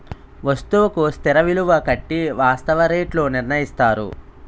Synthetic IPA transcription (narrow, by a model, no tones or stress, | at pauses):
ʋɐst̪uʋɐkust̪iɾɐʋiluʋɐkɐʈːiʋaːst̪ɐʋɐɾeːʈloniɾnɐjist̪aːɾṵ